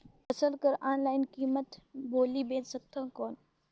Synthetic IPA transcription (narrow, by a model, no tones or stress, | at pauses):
pɐsəlkəɾaːnlaːɪnkiːmət̪boːlibẽːt̪sək̚t̪ʰãːkɔːn